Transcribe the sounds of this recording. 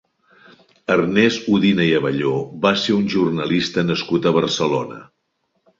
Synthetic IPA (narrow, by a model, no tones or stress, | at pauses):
ərnɛzuðinəiəβəʎoβaseunʲʒurnəlist̪ənəskut̪əβ̞ərsəlonə̰